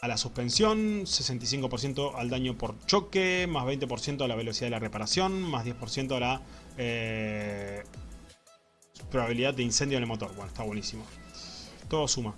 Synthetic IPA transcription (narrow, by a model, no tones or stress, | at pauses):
alasuspe̞nsjo̞nse̞se̞nt̪is̬iŋkopoɾs̬je̞nt̪o̞ʔald̪aɲo̞po̞ɾt͡ʃo̞kemazβejnt̪e̞po̞ɾsje̞nt̪olaβ̞e̞los̬iðaðelare̞paɾasjo̞nmazð̞jepo̞ɾsjent̪olae | pɾoβaβiliðad̪d̪ːeinse̞nd̪jonelmo̞t̪o̞ɾwenoe̥st̪aβwe̞nisimo̞ | t̪oðosuma